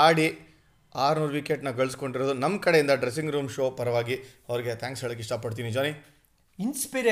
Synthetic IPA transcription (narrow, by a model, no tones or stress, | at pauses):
aːɽi | aːɾnuːɾʋikeʈnɐɡɐɭsko̞ɳɖiɾoːd̪unɐmːkɐɽe̞jind̪ɐɖɾes̬iŋɡɾuːmʃoːpɐɾɐʋaːɡiɐʋɐɾiɡe̞t̪ʰaːŋksɦɛɭɐkːiʂʈaːpɐɖt̪̬iːnid͡ʒoːni | inspiɾ